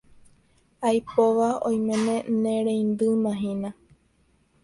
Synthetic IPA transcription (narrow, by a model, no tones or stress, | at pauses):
ajpoʋaõ̰j̃mẽnẽ̞nẽɾẽjnd̪ɨmãɦĩna